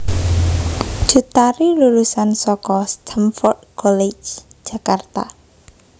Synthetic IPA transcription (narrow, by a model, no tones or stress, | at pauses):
ʒ̥ut̪aɾilulusansɔkɔst̪ʰamfɔrd̪̚kɔled͡ʒ̥d͡ʒ̥a̤kart̪a̰